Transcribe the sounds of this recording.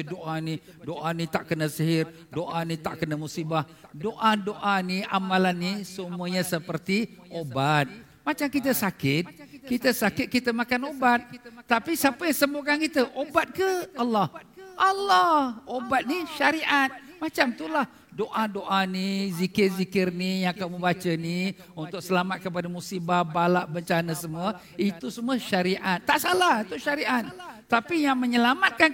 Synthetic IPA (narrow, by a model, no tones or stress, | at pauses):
doʔani | doʔanit̪aʔkənəsəɦɪr | doʔanit̪aʔkənəmusibahdoʔadoʔaniamalanːisəmuəɲasəpərt̪iʔobat̪̚ | mat͡ʃamkit̪əsakɪt̪̚kit̪əsakɪt̪̚kit̪əmakanobat̪̚ːapisapəjaŋsəmbokankit̪əʔobat̪̚kəalːɑhʔalːɔhobat̪̚niʃaɾiʔat̪̚mat͡ʃamt̪ulah | doʔadoʔanizikɪrzikɪrnijaŋkaməbat͡ʃəni | unt̪ʊk̚səlamat̪̚kəp̬adamusibahbalaʔbəɲt͡ʃanəsəmuə | it̪usəmuəʃaɾiʔat̪ːaʔsalat̪uʃaɾiʔat̪̚t̪apijaŋməɲəlamat̪̚kan